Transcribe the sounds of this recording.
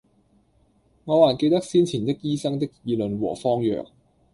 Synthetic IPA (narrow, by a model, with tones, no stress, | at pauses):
ŋɔː˨˧waː˨˩ke˧jt̪ɐ˥k̚siː˥nt͡sʰiː˨˩nt̪ɪ˥k̚jiː˥sɐ˥ŋt̪ɪ˥k̚jiː˨˧lɵ˨˧nwɔ̰ː˨˩fɔː˥ŋjœ̰ː˨˩k̚